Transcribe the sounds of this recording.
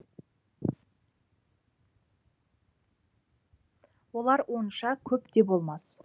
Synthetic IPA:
wo̞lˠɑɾwʔo̞nʃɑkʲʰɵpt̪e̞bo̞lˠmɑs

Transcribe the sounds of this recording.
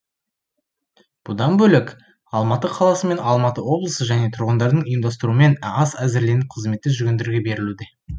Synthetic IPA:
b̥ʊd̪ɑnbɵlɪk | ɑlˠmɑt̪əqʰɑlˠɑsəme̞nɑlˠmɑt̪əwo̞blˠəsəʒæne̞t̪ʰʊɾʁənd̪ɑɾd̪əɴʊjəmd̪ɑst̪əɾume̞nɑsæzɪɾle̞nɪqʰəzme̞t̪ːɪʒʏɾɡʲend̪eɾɡʲe̞be̞ɾɪlud̪e̞

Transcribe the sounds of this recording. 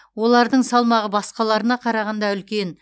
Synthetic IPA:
wo̞lˠɑɾd̪əɴsɑlˠmɑʁəbɑsqɑlˠɑɾənɑqʰɑɾɑʁɑnd̪ɑʏlkʲe̞n

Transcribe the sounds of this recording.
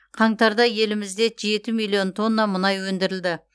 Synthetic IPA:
qʰɑɴt̪ɑɾd̪ɑje̞lɪmɪzd̪e̞ʒe̞t̪ɪmijlˠio̞nt̪ʰo̞nːɑmʊnɑjwɵnd̪ɪɾɪld̪ɪ

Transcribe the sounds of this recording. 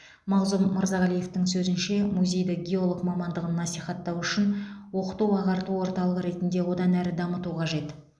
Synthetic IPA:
mɑʁzʊmːəɾzɑʁælije̞ft̪ɪŋsɵzɪnʃe̞muzʲe̞jd̪ɪɡʲeo̞lˠoqmɑmɑnd̪əʁənːɑsiχɑt̪ːɑwʏʃɪnwo̞qə̥t̪uɑʁɑɾt̪uwo̞ɾt̪ɑlˠəʁəɾe̞t̪ɪnd̪e̞wo̞d̪ɑnæɾɪd̪ɑmət̪uqʰɑʒe̞t̪

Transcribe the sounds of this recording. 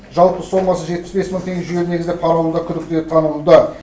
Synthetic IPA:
ʒɑlˠpəso̞mɑsəʒe̞t̪̚pɪ̥sbe̞sməŋt̪ʰe̞ŋɡʲeʒʏɡʲeɾɪne̞ɡʲɪzepʰɑɾɑwlˠd̪ɑkʲʰʏd̪ɪk̚t̪et̪ʰɑnəllˠd̪ə

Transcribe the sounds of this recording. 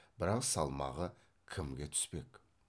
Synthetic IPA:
b̥ɪɾɑqsɑlˠmɑ̰ʁə | kʲʰɪmɡʲe̞t̪ʰʏ̥spe̞k

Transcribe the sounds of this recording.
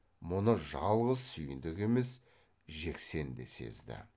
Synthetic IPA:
mʊnəʒɑlˠʁəzsʏjɪnd̪ɪkʲe̞me̞s | ʒe̞kse̞nd̪e̞̰se̞̰zd̪ɪ̰

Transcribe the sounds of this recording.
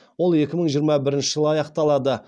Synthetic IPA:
wo̞lˠe̞kʲɪməɴʒijəɾmɑbɪɾɪnʃɪʒəlˠəɑjɑqt̪ɑlˠɑd̪ə

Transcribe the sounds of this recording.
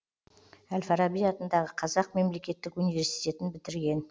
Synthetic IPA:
ælfɑɾɑbijɑt̪ənd̪ɑʁəqʰɑzɑq̚me̞mle̞kʲe̞t̪ːɪkunijvʲe̞ɾsijt̪ʲe̞t̪ɪnbɪt̪ɪɾɡʲe̞n

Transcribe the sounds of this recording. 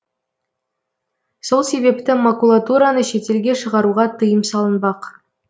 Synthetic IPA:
so̞lˠse̞βe̞p̚t̪ɪmakulˠat̪uɾanəʃe̞t̪e̞lɡʲe̞ʃəʁɑɾuʁɑt̪ʰəjəmsɑlˠənbɑq

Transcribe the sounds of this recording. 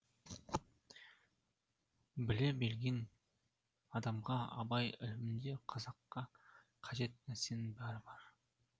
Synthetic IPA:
bɪlebe̞lɡʲe̞n | ɑd̪ɑmʁɑɑ̰bɑjɪ̰lɪmɪnd̪e̞qʰɑzɑqːɑ | qʰɑʒe̞t̪̚næɾsenbæɾɪbɑɾ

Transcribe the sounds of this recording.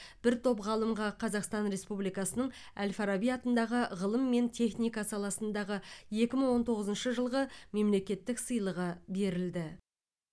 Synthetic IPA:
b̥ɪɾt̪ʰo̞pʁɑlˠəmʁɑqʰɑzɑqst̪ɑnɾe̞spublijkɑsənəɴ | ælfɑɾabijɑt̪ənd̪ɑʁəʁəlˠəmːe̞nt̪ʲʰe̞χnijkɑsɑlˠɑsənd̪ɑʁəje̞kʲɪməɴwo̞nt̪ʰo̞ʁəzənʃəʒəlˠʁəme̞mle̞kʲe̞t̪ːɪksəjlˠəʁəbe̞ɾɪld̪ɪ

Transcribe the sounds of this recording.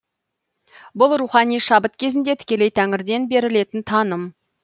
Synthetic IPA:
bʊlˠruχɑnijʃɑbət̪kʲʰe̞zɪnd̪e̞t̪ʰɪ̥kʲe̞le̞jt̪ʰæŋɪɾd̪e̞nbe̞ɾɪle̞t̪ɪnt̪ʰɑnəm

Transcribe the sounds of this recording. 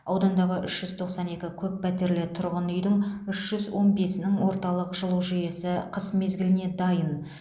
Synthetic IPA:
ɑwd̪ɑnd̪ɑʁəʔʏʃʒ̥ʏzt̪ʰo̞qsɑne̞kʲɪkʲʰɵpːʰæt̪e̞ɾlet̪ʰʊɾʁənʏjd̪ɪŋʏʃʒ̥ʏzwo̞nbe̞snɪŋwo̞ɾt̪ɑlˠəqʒəlˠuwʒʏje̞sɪqʰəsme̞zɡʲɪlɪne̞d̪ɑjən

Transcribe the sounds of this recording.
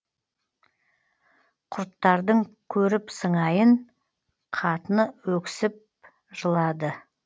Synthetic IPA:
qʰʊɾt̪ːɑɾd̪əɴkʲʰɵɾɪpsəɴɑjəɴ | qʰɑt̪ənəwɵkʲɪ̥sɪp̚ | ʒəlˠɑd̪ə

